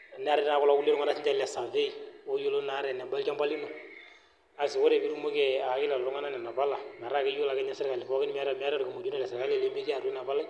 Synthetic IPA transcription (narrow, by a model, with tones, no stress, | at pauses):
nɛ˦a˦ɾɪ˦tna˦kɔ˦la˦ku˦lːe˦ɾʊ˦ŋa˦na˦sɪ˦nd͡ʒa˦lɛ˨sa˨fe˦i˨o˦jo˦lo˦na˨˦ɾɛ˨nɛ˨mba˦lka˦mba˦li˦no˨ | a˨sɪ˨ko˦ɾe˨bi˦ɾu˨mo˦kɛ˨a˨kɪ˦lɛ˨lɔ˨ɾʊ˦ŋa˦na˦nɛ˨na˨pa˦la˨ma˨ɾa˦˨kɛ˦ju˦la˨kɛ˦ɲɛ˦sɪ˦rka˨lɪ˨fɔ˦kɪ˦n˦m˦a˦ɾa˨m˦a˦ɾɾka˨mo˨du˦na˨lɛ˨sɪ˨ka˦lɛ˨le˨˦me˦ki˦a˨ɾe˦na˨ba˦la˦